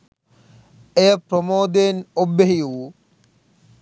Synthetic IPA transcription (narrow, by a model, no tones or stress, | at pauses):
ejəpɾomoːd̪enobːeɦijuwu